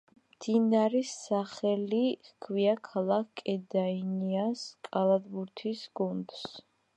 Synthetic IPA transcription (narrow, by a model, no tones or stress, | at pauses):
md̪inaɾisːaχɛlikʰviakʰalˠak̚ʰkʼɛd̪ainiaskʼalˠad̪buɾt̪ʰisɡ̥und̪s